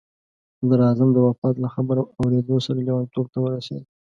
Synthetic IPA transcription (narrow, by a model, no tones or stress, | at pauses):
d̪əɾɑzamd̪əwafɑt̪laxabəɾaawɾed̪osaɾalewant̪ob̚t̪awəɾasa̰di